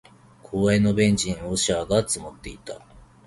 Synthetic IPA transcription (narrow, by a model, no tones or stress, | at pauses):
kʰo̞ːaeno̞bẽ̞ɲ̟d͡ʑĩɰ̃oɕaːɡat͡sɨmot̪ːe̞it̪a